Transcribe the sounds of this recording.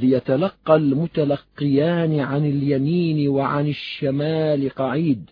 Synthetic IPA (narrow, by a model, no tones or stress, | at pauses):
jat̪alɑqːɑlmʊt̪alɑqːɪjaːnʕanɪljamiːnwaʕanɪʃːamaːlqɑʕiːd̪